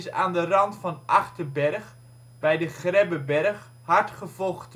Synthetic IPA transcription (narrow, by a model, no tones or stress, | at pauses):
sa̰ːndərɑntfɑnʔɑχtəbɛrχ | bɛjdəχrɛbəbɛrχ | hɑɹtχəvɔlˠχt